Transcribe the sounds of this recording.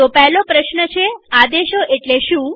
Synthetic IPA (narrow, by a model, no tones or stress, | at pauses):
opɛɦlopɾəʃnət͡ʃʰead̪eʃoʔeʈleʃũ